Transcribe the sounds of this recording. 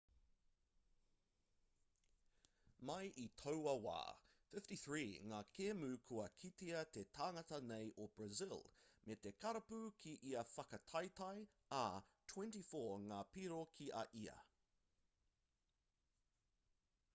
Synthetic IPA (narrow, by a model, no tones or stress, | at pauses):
mɐjʔit̪ʰowɐwa̰ːfɪftiθɹiːŋaːkʰeːmʉːkʰuɐkʰit̪iɐt̪et̪ʰaːŋɐtɐnejʔob̥ɹɐzɪlmet̪ekʰɐɾɐpʉkʰiʔiɐfɐkɐt̪ʰɐjt̪ɐj | aːt̪ʰwɛ̃ntifoːŋaːpiɾokʰiʔɐ̰ʔiɐ̰